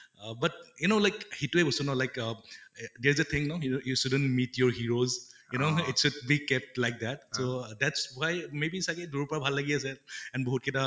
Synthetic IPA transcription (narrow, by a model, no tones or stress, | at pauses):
bʌt̚junoʊlajkhetuɛbɔsɔnaʊlajk | dɛɹzət̪ʰɪ̃ŋnaʊjjuʃudə̃nmitjɔɹhiɹozjunoʊitʃud̚bikɛp̚tlajk̚d̪ɛt̚sod̪ɛtsbajmebisakɛduɹupɔɹabʱalːaɡias̬ɛɛ̃nboɦut̚kɛta